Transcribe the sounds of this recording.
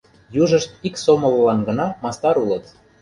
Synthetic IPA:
juʒəʃt̪̚iksomə̆lːɑnɡə̆nɑmɑst̪ɑɾulət̪

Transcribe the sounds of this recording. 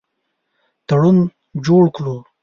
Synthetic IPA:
t̪aɽun | d͡ʒoɽkɽu

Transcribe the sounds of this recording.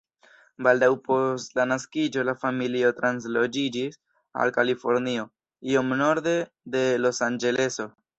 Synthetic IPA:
baldawpo̞stlanaskid͡ʒo̞lafamilio̞tɾanslo̞d͡ʒid͡ʒis | a̰lkalifo̞ɾnio̞ | io̞mno̞ɾde̞ | de̞lo̞sand͡ʒe̞le̞so̞

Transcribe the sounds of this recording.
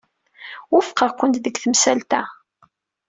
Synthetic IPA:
wʊfqəʁkʷːənt̪ðəɡθəmsælt̪æ

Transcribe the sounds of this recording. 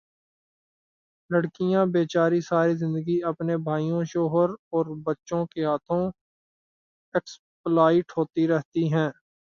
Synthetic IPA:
ləɽkɪjãbeːt͡ʃaːɾisaːɾizɪ̃nd̪əɡiɐpnebʱaːijõʃɔːɦəɾɔːɾbɐtːʃõkeaːt̪ʰõ | ɪks | plaːɪʈɦoːt̪iɾɛɦt̪iɦɛ̃ː

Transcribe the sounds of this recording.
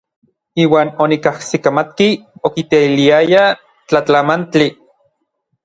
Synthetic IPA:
iːwaːnonikahsikamat̪̚kiokit̪eiliaja | t͡ɬat͡ɬamant͡ɬi

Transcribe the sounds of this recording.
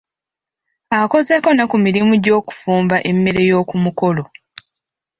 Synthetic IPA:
ako̞ze̞ko̞nakumiɾimuɟo̞ːku̥fuːmbaʔe̞mːe̞ɾe̞jo̞ːkumuko̞lo̞

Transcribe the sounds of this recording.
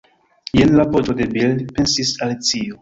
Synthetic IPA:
jenlapod͡ʒode̞bildpensisalit͡sio

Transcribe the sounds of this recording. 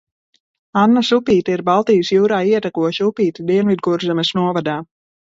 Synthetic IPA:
anːasupiːt̪iiɾbalˠt̪ijəsjuːɾaːiɛt̪akuɔʃupiːt̪id̪iɛnvid̪̚ɡuɾzɛmɛsnuɔvad̪aː

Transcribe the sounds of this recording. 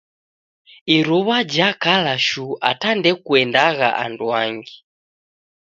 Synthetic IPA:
iɾuβad͡ʒakalaʃua̰tandɛkuɛndaɣa̰ʔa̰nduaŋɡi

